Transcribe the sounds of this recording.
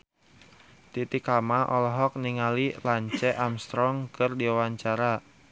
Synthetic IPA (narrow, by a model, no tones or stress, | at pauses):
t̪it̪ikamaʔɔlɔɦɔk̚niŋalilaɲt͡ʃɛʔamst̪ɾɔŋkɨrdiwawaɲt͡ʃaɾa